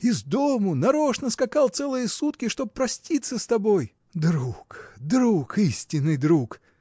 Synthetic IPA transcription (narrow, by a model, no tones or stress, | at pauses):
ɪzd̪omʊnɐɾo̞ʂnəskɐkɑlˠt̪sɛlˠɨjəsut̪kʲɪʂt̪o̞b̚pːɾɐsʲtʲit̪sːəst̪ɐbo̞j | d̪ɾukd̪ɾukisʲtʲɪnːɨjd̪ɾuk